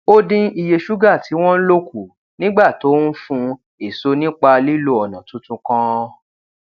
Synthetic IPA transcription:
o˦dĩ˦i˧˨je˧ʃu˦ɡa˦˨ti˨˦w̃ɔ̃˦n̩˦lo˦ku˦˨ | nĩ˦ɡ͡ba˦˨to˨˦n̩˦fũ˧˦ | e˦˨so˦nĩ˦k͡pa˧li˦lo˧˦ɔ˨nã˨tũ˨˦tũ˧kã˧

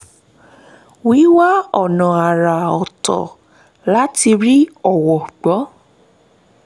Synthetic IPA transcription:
wi˨˦wa˦ɔ˦˨nã˨a˨ɾa˨ɔ˨tɔ̰˨ | la˦ti˧ɾi˦ɔ˦˨wɔ˨ɡ͡bɔ˨˦

